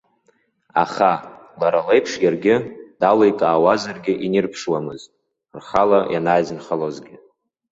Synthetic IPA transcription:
a̰χalaɾalejpʰʂɡʲarɡʲɪd̥alojkʼaːwazarɡʲɪʔinirpʰʂwamɨztʼ | rχalajʔanaːjzɨnχalozɡʲɪ

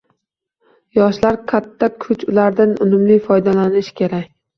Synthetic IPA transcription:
jɒʃlaɾqʰat̪ʰːakʰʊt͡ʃʊlaɾd̪anʊnʊmlɪfɒjd̪alanɪʃkʲʰe̞ɾakʲ

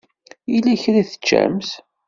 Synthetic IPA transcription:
ilːæçɾæθə̥t͡ʃːæ̰ms

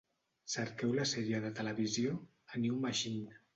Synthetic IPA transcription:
səɾkɛwlasɛɾiəðət̪ələβizjo | aniumaʃin

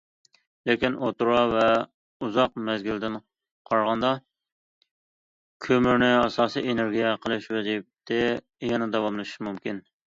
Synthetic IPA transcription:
lekʲinʔot̪uɾɑvɛ | uzɑqmɛzɡʲild̪ɪn | qʰɑɾʁɑnd̪ɑ | kʲʰømyɾnɪɑsɑːsijʔeneɾɡʲijɛqʰəlˠɨʃwɛzip̚t̪ʰɪ | jɛnɛd̪ɑwɑmlˠɨʃmumkʲin

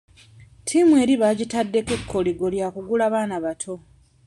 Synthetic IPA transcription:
tʰimwe̞ːɾiβaɟitadːekekʰːo̞liɡo̞ljakuɡulaːβaːnaβatʰo̞

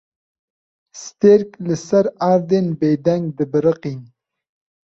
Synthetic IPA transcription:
st̪eɾkləsaɾaːɾd̪enbed̪aŋɡ̚d̪ɨbɨɾəqin

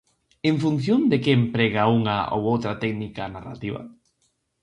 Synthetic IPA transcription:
ẽɱfun̟θjond̪ekeːmpɾeɣauŋao̰wowt̪ɾat̪ɛknikanara̰t̪iβa̰

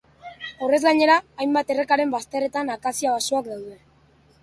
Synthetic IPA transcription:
o̞re̞zɡaɲe̞ɾaːjmbat̪e̞re̞kaɾe̞mbast̪e̞re̞t̪anakasiaβasoakd̪awðe̞

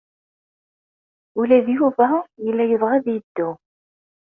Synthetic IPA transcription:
ulæðjuvæjəlːæjəðˤʁæðjəd̪ːu

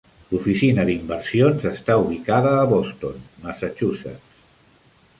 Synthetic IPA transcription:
lufisinəðimbəɾsionzəst̪auβ̞ikaðəːβost̪onməsət͡ʃusḛs

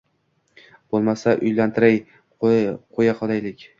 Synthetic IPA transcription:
b̥olˠmasaʔʊjlant̪ʰɪɾaj | qʰojaqʰɒlˠajlɪkʲ

